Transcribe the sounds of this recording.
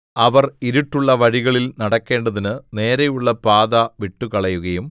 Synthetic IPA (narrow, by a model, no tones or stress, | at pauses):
ɐʋɐriɾiʈːuɭːɐʋɐɻiɣɐɭilnɐɽɐkːe̞ːɳɖɐðinɨne̞ːɾɐjuɭːɐpaːðɐʋiʈːukɐɭɐjuɣɐjum